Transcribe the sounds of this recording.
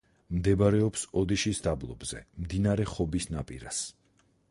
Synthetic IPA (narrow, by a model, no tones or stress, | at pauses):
md̪ɛbaɾɛɔpsɔd̪iʃisd̪ablˠɔ̰bzɛmd̪inaɾɛχɔbisnapʼḭɾa̰s